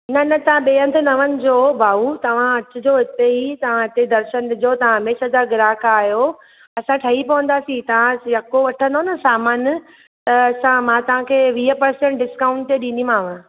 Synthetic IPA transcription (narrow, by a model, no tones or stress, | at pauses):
nɐnɐt̪ɐʋ̤ãɓeːə̃nd̪ʰnɐʋənɪ̆d͡ʑoːbʱaːut̪ɐʋ̤ãɐt͡ɕʊ̆d͡ʑoːɦɪt̪eit̪ɐʋ̤ãɦɪt̪ed̪ɐɾʃənɪd͡ʑot̪ɐʋ̤ãɦɐmeːʃɦɐzaːɾɡɪɾaːkaːɦjo | ɐsãʈʰɐɦipɐʋə̃nd̪aːsĩt̪ɐʋ̤ãjɐkoʋɐʈʰə̃nd̪onɐsaːmaːn | t̪ɐɐsãmãt̪ɐʋ̤ãkʰeːʋiːɦəpɐɾsẽɳʈ̚ɖɪskaːʊ̃ɳʈt̪eɗĩnimãːʋə̃